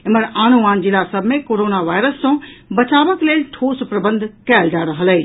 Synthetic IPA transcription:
eməɾanuʋand͡ʒilasəbʱmekoɾonaʋajɾəsːɔ̃bət͡ʃaʋəkleːlʈ̪ʰospɾəbənd̪ʱkɛld͡ʒaɾəɦələː

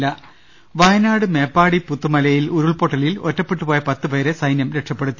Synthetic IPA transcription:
lːɐ | ʋɐjɐnaːɽɨme̞ːpːaːɽiput̪ːumɐlɐjiluɾuɭpo̞ːʈːɐlilo̰tːɐpːeʈːɨpoːjɐpɐt̪ːɨpɐjɐɾesɐjnjɐmɾe̞ʈʂɐpːe̞ɽut̪ːi

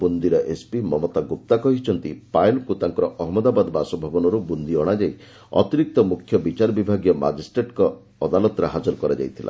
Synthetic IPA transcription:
bund̪iɾɔʔespimɔmɔt̪aɡup̚t̪akɔɦit͡ʃʰɔnt̪ipajlkut̪aŋkɔɾɔʔɔɦmɔd̪abad̪ɔbasɔbʱabɔnɔɾubund̪iɔɽ̃ad͡ʒaj | ɔ̰t̪iɾik̚t̪ɔmukʰjɔbit͡ʃaɾɔbibʱaɡjɔma̰d͡ʒisʈɾeʈkɔː | d̪alɔt̪ɔɾaɦad͡ʒɔɾɔkɔɾad͡ʒa̰jt̪ʰila̰

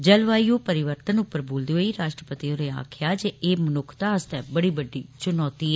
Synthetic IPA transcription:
d͡ʒəlʋaːijõːpəɾɪʋəɾt̪ənʊpːəɾboːld̪iːɦoːiːɾaːʃʈɾəpət̪ioːɾeːa̰ːkʰjaːd͡ʒeːʔeːmənʊkʰt̪aːəst̪ɛːbəɽiːbəɖːḭːt͡ʃʊnɔːt̪iːɛ

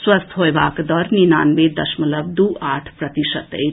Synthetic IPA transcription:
swɐst̪ʰɦoebakd̪ʌɾninanbed̪ʌsmulʌb̚d̪uaʈʰprʌt̪isət̪ḛj

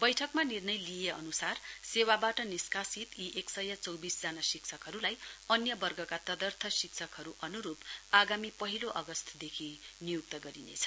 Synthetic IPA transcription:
bʌjʈʰʌkmanirnʌjlijeʌ̰nusarsewabaʈʌniskasit̪iʔeksʌjat͡sʌwbisd͡zanasiksʰʌkɦʌɾulajʌnjʌbʌrɡʌkat̪ʌd̪ʌrt̪ʰʌsiksʰʌkɦʌɾuʔʌnuɾupaɡamipʌɦiloʔʌɡʌst̪ʰd̪ekʰinijuk̚t̪ʌɡʌɾinḛt͡sʰʌ

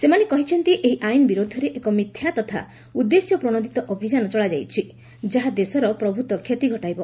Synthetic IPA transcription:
semanekɔɦit͡ʃʰɔnt̪iʔeɦiʔajnɔbiɾod̪ʱɔɾeʔekɔmit̪ʰjat̪ɔt̪ʰa̰ | ud̪ːesjɔpɾɔɽ̃ɔd̪ʱit̪ɔʔɔbʱid͡ʒanɔt͡ʃɔɭad͡ʒajt͡ʃʰi | d͡ʒaɦad̪esɔɾɔpɾɔbʱut̪ɔkʰjet̪iɡʱɔʈajbɔ

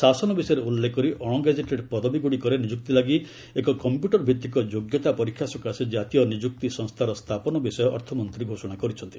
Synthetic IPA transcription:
sasɔnɔbisɔjɔɾeulːekːɔɾiʔɔɽ̃ɔɡed͡ʒeʈeɖpɔd̪ʱɔbiɡuɽikɔɾenid͡ʒuk̚t̪ilaɡi | ekɔkɔmpjuʈɔɾbʱit̪ːikɔd͡ʒoɡjɔt̪apɔɾikʰːjasɔkased͡ʒat̪ijɔnid͡ʒuk̚t̪isɔ̃ŋst̪ʰaɾɔst̪ʰapɔnɔbisɔjɔʔɔɾt̪ʰɔmɔnt̪ɾiɡʱosɔɽ̃akɔɾit͡ʃʰɔnt̪i

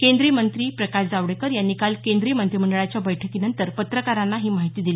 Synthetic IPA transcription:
kend̪ɾiːmənt̪ɾiːpɾəkaɕd͡zaʋɽekəɾjanːikalkend̪ɾiːmənt̪ɾim̤əɳɖəɭat͡ɕjabəjʈʰəkiːnənt̪əɾpət̪ɾəkaɾanːaɦiːmaɦit̪iːd̪ili

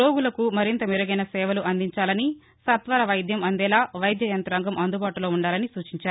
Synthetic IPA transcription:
o̞ːɡulɐkumɐɾint̪ɐmiɾɐɡɐjnɐsɛːʋɐluʔɐnd̪iɲt͡ʃaːlɐni | sɐt̪ʋaːɾɐʋɐjd̪jɐmɐnd̪ɛːlaːʋɐjd̪ʱjɐjɐnt̪ɾaːŋɡɐmʔɐnd̪ubaːʈulo̞ːuɳɖaːlɐnisuːt͡ʃiɲt͡ʃaːɾu

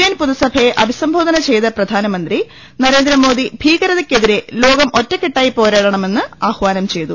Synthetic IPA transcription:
eːnpuðɐsɐbʱɐjeʔɐbʱisɐmbʱo̞ːd̪ɐnɐt͡ɕe̞jt̪ɐprɐd̪ʱaːnɐmɐnd̪ri | nɐɾe̞ːnd̪ɾɐmo̞ːd̪ibʱiːɡɐɾɐðɐkʲːe̞ðiɾe̞lo̞ːɡɐmo̞tːɐkːiʈːaːjipo̞ːɾaːɽɐɳɐme̞nːɨaːhʋaːnɐmt͡ɕe̞jt̪u

